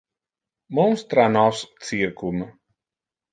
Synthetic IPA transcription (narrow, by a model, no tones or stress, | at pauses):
mumst̪ɾanɔst̪sʲiɾkum